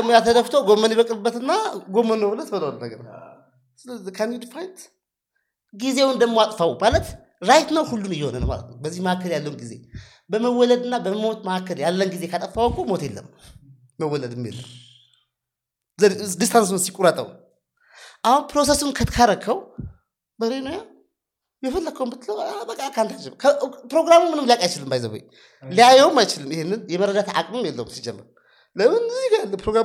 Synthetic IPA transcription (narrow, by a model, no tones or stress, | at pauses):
mojat̪ʰəd̪əft̪ʰəwɡo̞mːəniβəkʼlɨbːət̪ɨnːaɡo̞mːənːəwbɨlət̪ʰd̪əwnləɡən | szkʰand̪id̪fajnt̪ | ɡizewɨnd̪əmmoat̪ʼfawmalət̪ | ɾajt̪nəwhulːunɨjːɛhonə̰nə̰wma̰lə̰t̪nəwbəzːihməhakːəljalːəhunɡize̞̰ | bəməwːɔləd̪ɨnːabəmot̪məhakːəljalːənɡize̞kʰat̪ʼəfawəkʰːumo̞t̪jelːə̰mː | əwːɔləd̪ɨmːḛlːə̰m | zd̪ist̪ʰansɨnsikʼuɾət̪ʼːə̰w | ʔahunpɾo̞sesunkʰət̪kʰaɾəkʰːəw | bəɾenoja | bɛfəlːakʰːəwumbɨt̪ʰːləwbəkʼːakʰant̪at͡ʃːɪmkʰəpɾo̞ɡɾamumːɨnɨmlijakʼajt͡ʃɪlɨmbajzə̰βṵj | lijajɛwumajt͡ʃɪlɨmihenːɨnjɛməɾəd̪at̪a̰kʼmɨmjɛlːə̰wumsid͡ʒɛmːə̰ɾ | ləmɨnɨzɪɡaalːəpɾoɡɾa